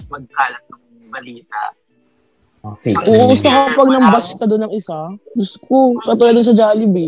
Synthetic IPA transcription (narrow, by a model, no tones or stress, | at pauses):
mɐɡ̚kaːlɐt̚nɐŋ | bɐliːt̪a̰ʔ | ʔuʔosɐkɐpɐɡ̚nɐŋbɐsk̪ɐd̪onɐŋɪsaɡʊst̪okokɐt̪uːlɐd̪ʊns̬ɐd͡ʒaːlɪbi